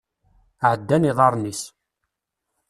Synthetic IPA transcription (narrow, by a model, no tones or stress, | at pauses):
ʕəd̪ːæniðˤɑɾˤnis